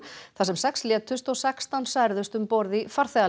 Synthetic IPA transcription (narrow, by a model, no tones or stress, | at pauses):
θasɛmsɛkslɛːt̪ʏst̪ɔsɛkst̪awnsajɾðʏst̪ʏmpɔɾðɪfaɾ̥θɛa